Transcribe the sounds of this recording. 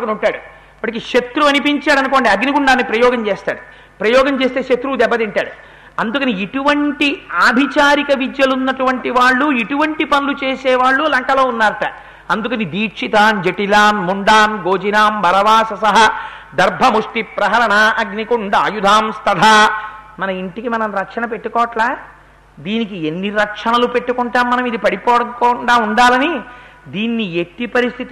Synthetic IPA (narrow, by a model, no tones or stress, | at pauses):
kunuɳʈːaːɽu | pɐʈɐkiʂɐt̪ɾuɐnipiɲt͡ʃaːɽɐnukoːɳɖeɐɡnikuɳɖaːnːipɾɐjɔːɡɐmt͡ʃeːst̪a̰ːɽu | pɾɐjɔːɡɐmt͡ʃeːs̬t̪eːʃɐt̪ɾud̪ɛbːɐt̪iɳʈaːɽu | ɐnd̪ukɐniiʈuʋɐɳʈiaːbʱit͡ʃaːɾikɐʋid͡ʒ̪jɐlunːɐʈuʋɐɳʈiʋaːɭːuiʈuʋɐɳʈipɐnulut͡ʃeːsɛːʋaːɭːulɐŋkɐlo̞ːunːaːɾɐʈɐ | ɐnd̪ukɐnid̪iːʂit̪aːnd͡ʒeʈilaːnmuɳɖaːnɡo̞ːd͡ʒinaːmbʱɐɾɐʋaːsɐsɐɦɐd̪ɐɾbʱɐmuʂʈipɾɐɦɐɾɐɳaʔɐɡnikuɳɖaːjud̪ʱaːmst̪ɐd̪ʱaːmɐnɐiɳʈikimɐnɐmɾɐkʂɐnɐpe̞ʈːukɔːʋɐʈlaː | d̪iːnik̬ienːiɾɐkʂɐnɐlupe̞ʈːukuɳʈaːmːɐnɐmid̪ipɐɽipɔːɽɐkɔɳɖaːuɳɖaːlɐnid̪iːnːieʈːipɐɾist̪ʰit̪